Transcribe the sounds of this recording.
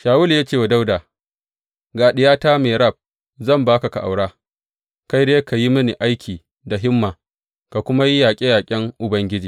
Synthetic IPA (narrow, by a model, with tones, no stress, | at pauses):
ʃaː˨wʊ˦ljaː˦t͡ʃeː˦˨wa˨da˦wdaː˨ | ɡaː˨ɗɪ˨˦jaː˦taː˦meː˨ɾɐ˦˨b̚ | zɐ˦˨mbaː˦ka˨ka˨ʔa̰˨wɽaː˦ | ka˦jdeː˦ka˨ji˦mɐ˦ni˨ʔa˦jkʰʲiː˨ | da˨ɦɪ˦mːaː˨ | ka˨kʷʊ˦ma˦ji˦jaː˨kʲʼe˦jaː˨kʲʼɪ˦ŋʔʊ˨bɐ˦ŋɡʲɪ˦d͡ʒiː˨